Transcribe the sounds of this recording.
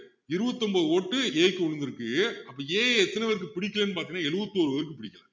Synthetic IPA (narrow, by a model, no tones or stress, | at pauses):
ɪɾɯbɐt̪ːɔmbɐːðɯoːʈːɯeːkːɔɯnd̪ɪɾɯkːɯɐpːɐːeːɛt̪ːɐnɛʋɐɾɯkːɯpɪɽɪkːɐleːnːɯpaːɾt̪ɪŋnːaːɛlɯbɐt̪ːoːɾɯʋɐɾɯk̬ːɯpɪɽɪkːɐla